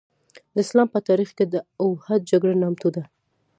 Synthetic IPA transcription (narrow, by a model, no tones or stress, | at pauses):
d̪əɪslɑmpət̪ɑɾixked̪əawhad̪̚d͡ʒaɡɽanamt̪ud̪a